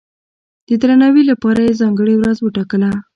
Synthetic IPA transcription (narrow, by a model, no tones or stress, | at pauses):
d̪̥əd̪ɾanawilapɑɾajezɑŋɡəɽewɾazwəʈɑkəla